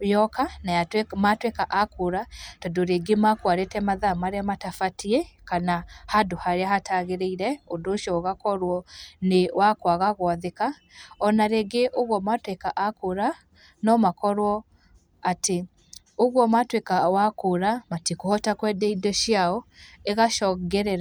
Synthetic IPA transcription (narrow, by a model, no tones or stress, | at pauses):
jɔkanajatwematwekaʔakoɾatɔdoɾeɡemakwaɾetɛmaðamaɾeamatafatiɛkanahadohaɾeahataɣeɾeiɾɛodoʃɔɣakɔɾwɔnewakwaɣaɣwaðeka | ɔnaɾeɡeʔoɣwɔmatwekaʔakoɾa | nɔmakɔɾwɔ | ate | oɣwɔmatwekawakoɾamatikohɔtakwɛdɛidɔʃjaɔeɣaʃɔɡɛɾɛɾa